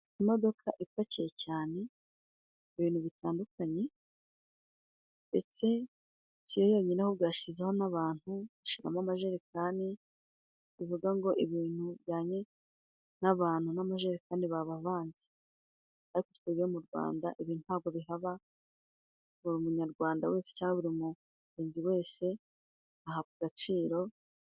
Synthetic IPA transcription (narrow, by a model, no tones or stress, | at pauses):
imo̞do̞kʰaʔifacijecaːne̞ | iβiːn̥huβitaːndukaɲe̞ | nde̞̰t͡se̞ | tijojo̞ːɲinehoβɡaːʃizeho̞naβaːn̥huβaʃiɾamamaʒe̞ɾekaːni | βivuɡaŋɡo̞ʔiβiːn̥hubɟaːɲe̞ | naβaːn̥hunamaʒe̞ɾekaniβaβaβaːnze̥ | aɾiko̥t̪kweɡiomuɾɡwa̰ːndaʔiβiːnhunhaːb̚ɡo̞βiɦaβa | βuɾumuɲaɾɡwaːndawe̞ːse̥caːŋɡeβuɾimu | ɾeːnziwe̞ːse̞ | ahakuɡat͡ʃiːɾo̞